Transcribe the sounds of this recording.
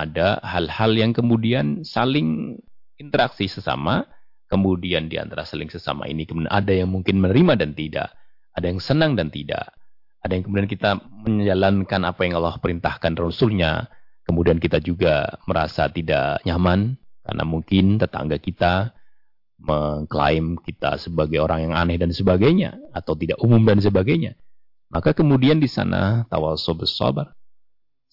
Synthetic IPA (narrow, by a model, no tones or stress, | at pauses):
adahalhaljaŋkəmudiansalɪŋ | int̪əɾaksisəsa̰ma | kəmudiandia̰nt̪aɾasalɪŋsəsa̰ma̰ḭnikəmunadajaŋmuŋkɪnmənəɾimadant̪ida̰ʔː | dajaŋsənaŋdant̪ida̰ʔ | adajaŋkəmudiankit̪aməɲd͡ʒalankanapajaŋalːɔhpəɾint̪ahkanrusʊlɲa̰kəmudiankit̪ad͡ʒuɡa̰məɾa̰sa̰t̪ida̰ʔɲamanka̰rnʔa̰muŋkɪnt̪ət̪a̰ŋɡakit̪a | məŋkla̰ɪmkit̪a̰səbaɡajoɾaŋjaŋa̰nɛhdansəbaɡajɲa̰ːt̪awt̪idaʔumumdans̬əbaɡajɲa | mʔakakəmudiandisa̰na̰t̪a̰walsɔbəsɔ̰bar